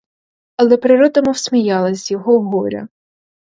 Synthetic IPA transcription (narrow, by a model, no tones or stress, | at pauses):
ɐlˠɛpɾɪɾɔd̪ɐmɔwsʲmʲijɑlˠɐzʲjɔɦɔwɦɔɾʲɐ̰